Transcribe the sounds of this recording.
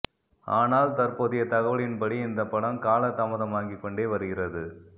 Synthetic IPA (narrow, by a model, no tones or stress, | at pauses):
aːnaːlt̪ɐɾpoːðɪjɐt̪ɐɣɐʋɐɭɪnpɐɽiɪnd̪ɐpːɐɽɐmkaːlɐt̪ːɐmɐðɐmaːŋɡikːɔɳɖeːʋɐɾɯɣɪrɐðɯ